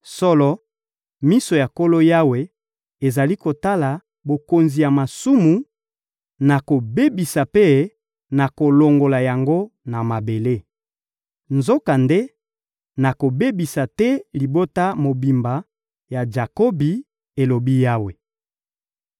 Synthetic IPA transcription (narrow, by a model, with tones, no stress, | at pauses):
sɔ˦lɔ˦ | mi˦so˨ja˨ko˦lo˦ja˦we˨ | e˨za˨li˦ko˨ta˦la˨ | bo˨ko˨nzi˨ja˨ma˨su˦mu˨ | na˨ko˨be˦bi˨sa˨pe˦ | na˨ko˨lo˨ŋɡo˨la˨ja˨ŋɡo˦na˨ma˨be˨le˦ | nzo˦ka˨nde˦ | na˨ko˨be˦bi˨sa˨tɛ˦li˨bo˦ta˦mo˨bi˨mba˨ | ja˨d͡ʒa˨kɔ˦bi˨ | e˨lo˨bi˦ja˦we˨